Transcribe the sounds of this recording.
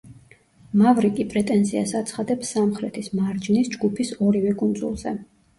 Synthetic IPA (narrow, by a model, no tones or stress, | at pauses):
mavɾikʼipʼɾɛt̪ʼɛnziasat̪sʰχad̪ɛpsːamχɾɛt̪ʰismaɾd͡ʒnisd͡ʒɡupʰisɔɾivɛkʼund̪zṵlˠzɛ